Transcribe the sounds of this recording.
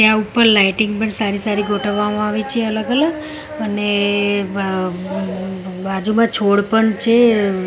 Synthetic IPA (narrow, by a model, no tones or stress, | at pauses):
t̪jaupəɾlaiʈɪŋɡpəɳsaɾisaɾiɡʱoʈʰəʋːamãaʋit͡ʃʰeələɡələɡ | əne | bad͡ʒumãt͡ʃʰoɽpəɳt͡ʃʰe